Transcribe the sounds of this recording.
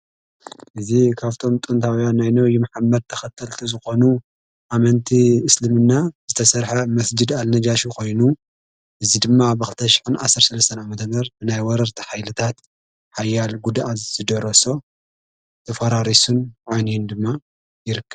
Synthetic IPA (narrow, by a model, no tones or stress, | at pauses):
ʔɨzikʰaβt̪ʰo̞mt̪ʼunt̪ʰawjanːajnɐwjumaħamːɐd̪̚t̪ʰɐxɐt̪ʰːɐlt̪ʰuzɨxo̞nu | ʔamɐnt̪ʰiɨslɨmɨnːaz̥ɨt̪ʰɐsɐɾħɐmɐsd͡ʒɨd̪alnɐd͡ʒaʃukʰo̞jnu | ʔɨzid̪ɨmːabɨxɨlt̪ʰɐʃɪ̥ħɨnʕa̰sːɐɾsɐlɐst̪ʰɐnʕamɐt̪ʰɐmɐɾbɨnajwɔɾɐɾt̪ʰi̥ħajlɨt̪ʰat̪ | ħajːalɡud̪azɨd̪ɨɾoso̞ | t̪ʰɐfɐɾaɾisunʕanijɪnd̪ɨmːa | jɪɾɨkʰːɐβ